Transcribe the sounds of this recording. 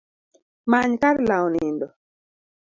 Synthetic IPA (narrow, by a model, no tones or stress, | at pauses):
maɲkaɾlawɔnɪndɔ